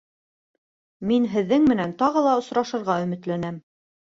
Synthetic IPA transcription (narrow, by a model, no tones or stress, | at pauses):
minɦɘ̆ðːɘŋmɘ̆nænt̪ɑʁɤlˠɑŏsɾɑʃɤ̆ɾʁɑɵ̆mɘ̆t̪lænæm